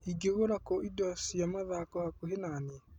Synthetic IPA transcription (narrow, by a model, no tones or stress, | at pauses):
iɡeɣoɾakɔʔidwasjamaðakɔhakoɦenane